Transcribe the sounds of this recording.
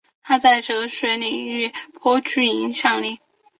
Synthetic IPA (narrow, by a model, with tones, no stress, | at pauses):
t̪ʰa˥t͡sa˥˧ɪʈ͡ʂɤ˧˥˧ʂwɛ˧˥ɪni˨˩y˥˩pʰɔ˥ʈ͡ʂʰy˥˩i˧˥nɕjɑ˥˧ŋli˥˩